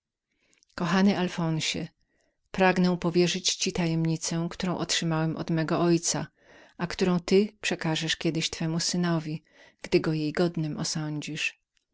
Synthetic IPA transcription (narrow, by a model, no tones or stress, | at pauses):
kɔxanɛʔalfɔ̃nɕɛ | pɾaɡnɛ̃pɔvʲjɛʐɘt͡ɕt͡ɕit̪ajɛmɲit̪sɛkt̪uɾɔ̃w̃ʔɔtʂɘmawɛmʔɔ̰d̪mɛɡɔʔɔjt̪sa | akt̪uɾɔ̃w̃t̪ɘpʂɛkaʐɛʂkʲjɛd̪ɘɕt̪fɛmusɘnɔvʲi | ɡ̥d̪ɘɡɔjejɡɔd̪nɘmɔsɔɲd͡ʑiʂ